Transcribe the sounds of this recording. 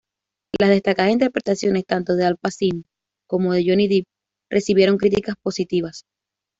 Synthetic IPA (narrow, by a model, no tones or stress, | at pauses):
lazðe̞st̪akaðasint̪e̞ɾpɾe̞t̪asjo̞ne̞st̪ant̪o̞ðe̞alpasin | ko̞mo̞ð̞e̞ʝo̞niðip̚ | rʔe̞siβje̞ɾo̞ŋkɾit̪ikaspo̞sit̪iβas